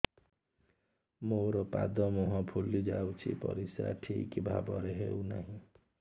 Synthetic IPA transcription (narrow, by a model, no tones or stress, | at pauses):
moɾɔpad̪ɔmɔɦɔ̃pʰulːid͡ʒawt͡ʃʰḭpɔ̰ɾisɾa̰ʈʰikibʱabɔɾeɦeunaɦĩ